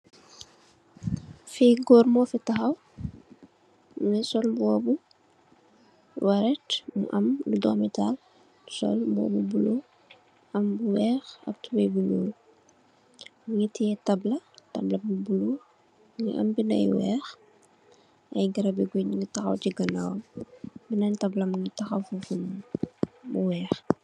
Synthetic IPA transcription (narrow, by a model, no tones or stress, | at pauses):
fiɡɔːɾmɔːfitɐxɐw | ŋɛsɔlbɔːbu | wɐɾɛtmṵʔɐmludɔmɛtal | sɔ̰lbɔ̰ːbubulu | ʔɐmbuwɛːxɐ̰k̚tubɛjbuɲoːl | muŋɡitiɛtɐblɐtɐblɐbubulu | ŋiʔɐ̰mbinɐ̰jwɛ̰ːx | ʔɐjɡɐɾɐbiɡoɲiŋɡitɐxɐ̰wciɡɐnawɐ̰mbinɐntɐblɐmuŋitɐxɐwfufun | muwɛːx